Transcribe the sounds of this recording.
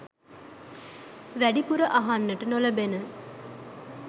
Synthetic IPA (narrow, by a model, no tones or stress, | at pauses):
ʋæɖipuɾəʔaɦanːəʈənoləbenə